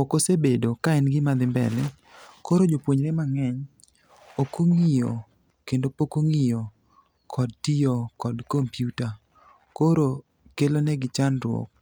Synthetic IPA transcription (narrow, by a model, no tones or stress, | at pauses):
okosebedokaɛnɡɪmad̪ɪmbɛ̰lɛ | koɾod͡ʒopwoɲɾɛmaŋɛɲ | okoŋijo | kendopokoŋijo | kʰɔd̚tijokɔdkompjuta | koɾo | kelonɛɡɪt͡ʃanɾwɔ̰k̚